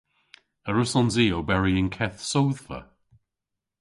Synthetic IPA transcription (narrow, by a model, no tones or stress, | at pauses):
əɹʊsɔnziːobɛɹiə̃nkʰɛθsowðfə̰